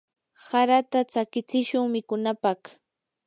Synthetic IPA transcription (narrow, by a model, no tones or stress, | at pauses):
saɾat̪at͡sakɪt͡sɪʃʊŋmɪkʊnapɑχ